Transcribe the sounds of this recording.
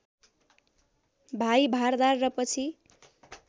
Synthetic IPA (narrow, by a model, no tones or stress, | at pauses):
bʱajbʱard̪arːʌpʌt͡sʰi